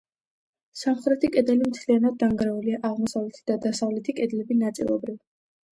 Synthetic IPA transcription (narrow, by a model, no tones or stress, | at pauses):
samχɾɛt̪ʰikʼɛd̪ɛlimt̪sʰlianad̪̚ːaŋɡɾɛuliaʔaʁmɔsavlɛt̪ʰid̪̥ad̪asavlɛt̪ʰikʼɛd̪lɛbinat̪sʼḭlˠɔ̰bɾiv